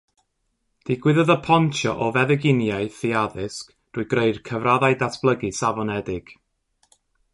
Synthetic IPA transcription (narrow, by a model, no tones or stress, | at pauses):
d̥ɪɡwɪðɔðəpʰɔntʰjɔʔɔvɛðɛɡɪnjaɨθiaðɪsk | d̥uːɨɡreɨd̥kʰəvraðajdasb̥lˠəɡɨsavɔnɛdɪɡ̥